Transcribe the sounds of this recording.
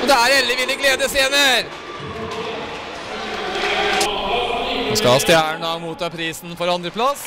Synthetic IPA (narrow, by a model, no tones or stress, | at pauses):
ɔd̪ɛæɾɛlːəʋɪlːəɡleːd̪əseːnəɾ | ɑ̰skɑɑst̪jæːəɳd̪ɑːɡmuːt̪ɑːpʰɾiːsn̩fɔɾɑnd̪ɾəpʰlɑs